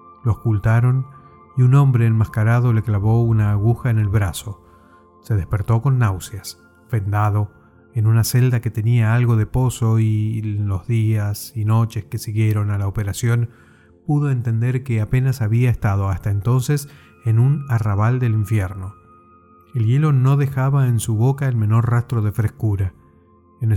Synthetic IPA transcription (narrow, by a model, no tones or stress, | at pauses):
lookult̪aɾo̞n | iuno̞mbɾeːlmaskaɾað̞o̞le̞klaβo̞unaːɣ̞uxaene̞lβɾaso̞ | se̞ð̞e̞spe̞ɾt̪o̞ko̞nːawsjas | fe̞nd̪aðo̞ | enunase̞ld̪aket̪e̞niaalɣo̞ðe̞po̞so̞ilo̞zðiasino̞t͡ʃe̞skesiɣje̞ɾo̞nalaopeɾasjo̞n | puðo̞ent̪e̞nd̪eɾkeape̞nasaβiaest̪að̞o̞ast̪aent̪o̞nses | enunaraβald̪eliɱfjeɾno | elje̞lo̞no̞ðe̞xaβaensuβo̞kaelmẽ̞no̞ɾrast̪ɾoðe̞fɾeskuɾa | en